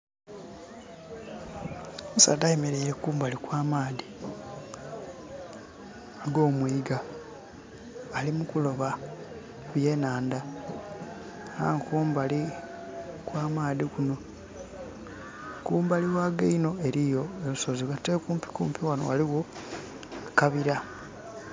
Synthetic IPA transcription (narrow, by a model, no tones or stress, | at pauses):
omusadajemeɾe̞iɾekuːmbalikwaːmaːði | aɡo̞ːmwiːɡa | limukulo̞βa | βje̞ːnaːnda | a̰ŋkuːmbali | kwaːmaːðikuno̞ | kuːmbaliwaːɡeino̞e̞ɾijo̞elusoziwateːkuːmpi̥kṵːmpiwanoaliɣo̞ | akaβiɾa